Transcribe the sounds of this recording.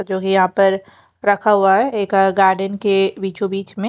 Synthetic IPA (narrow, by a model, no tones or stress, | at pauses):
d͡ʒoːkijɐɦãpɐɾ | ɾɐkʰaɦuaɦɛeːkɡaːɾɖənkebiːt͡ʃubiːt͡ʃmẽ